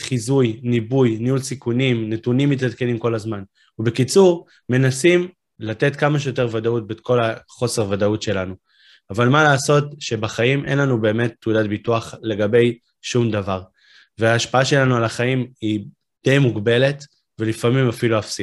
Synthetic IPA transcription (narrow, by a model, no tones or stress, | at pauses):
χizujnibujniulsikunimnetunimːitadkenimko̞lazman | ube̞kit͡suʁ | me̞nasim | late̞tkamaʃejo̞te̞ʁvadaut̚beko̞laχo̞seʁvadautʃe̞lanu | avalmalaːso̞tʃe̞baχaimʔe̞̰nlanube̞ːme̞tːudatbituaχle̞ɡabe̞j | ʃumd̪avaʁ | veaːʃpaaʃe̞lanualaχaimi | d̪̥e̞jmuɡbe̞le̞t | velifamimafiluafsi